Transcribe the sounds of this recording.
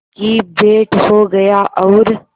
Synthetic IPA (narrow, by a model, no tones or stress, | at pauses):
kiːbeːʈhoɡɐjaʔɔːɾ